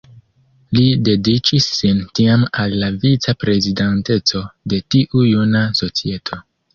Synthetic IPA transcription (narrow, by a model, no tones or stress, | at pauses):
lide̞dit͡ʃisːintiamalːavit͡sapɾe̞zidante̞t͡so̞de̞tiʔujunaso̞t͡sie̞tʰo̞